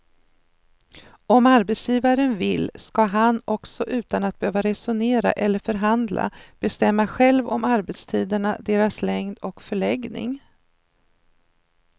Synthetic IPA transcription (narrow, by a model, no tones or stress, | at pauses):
ɔmaɾbɛt̪sjiːvaɾənvɪlːskaɦanɔksɔʔʉ̟ːt̪anat̪̚b̥ɛhøːvaɾɛsʊneːɾa̰ʔɛlːəɾfœɾɦand̪lʔa̰b̥ɛst̪ɛmːaɧɛlvɔmaɾbɛt̪st̪ʰiːd̪əɳad̪eːɾaslɛŋd̪ɔkfœɭɛɡnɪ̰ŋ